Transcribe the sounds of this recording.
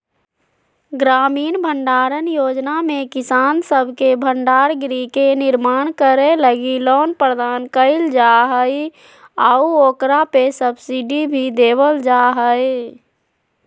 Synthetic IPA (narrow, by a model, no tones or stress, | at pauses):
ɡɾaːmiːnbʱəɳɖaːɾənjoːd͡ʒnamẽkɪsaːnsəbʱkebʱəɳɖaːɾɡɾikenɪɾmaːnkəɾeləɡilɔːnpɾəd̪aːnkəɪld͡ʒaɦəi | auoːkɾapesəbsiɖibʱid̪eːbəld͡ʒaːɦəe